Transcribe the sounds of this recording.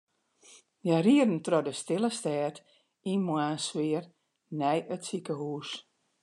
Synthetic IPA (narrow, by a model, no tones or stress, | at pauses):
jariərən̩trɔdəstɪlˠəstɛːt | inmwaːnsʋɪər | nɛjətsikəhuːs